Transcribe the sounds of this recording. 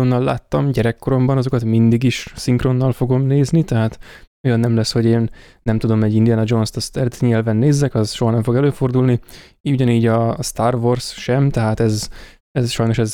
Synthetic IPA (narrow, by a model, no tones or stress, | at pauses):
onːɒlːa̰ːt̪ːɒmɟɛɾɛkːo̞ɾo̞mbɒnɒzo̞kɒt̪mind̪iɡiʃsiŋkro̞nːɒlfo̞ɡo̞mneːznit̪ɛɦaːt̪ojɒnːɛmlɛsho̞ɟeːnː | ɛmt̪ud̪o̞mɛɟːind̪ijanɒd͡ʒo̞nst̪ɒst̪ɛɾɛt̪ɲɛlvɛnːeːzːɛkɒzʃo̞ɦɒnɛɱfo̞ɡɛløːfo̞rd̪ulni | iuɟɒniːɟɒst̪aːrvorsʃɛmt̪ɛɦaːt̪ɛz | ɛzʃɒjno̞ʃɛz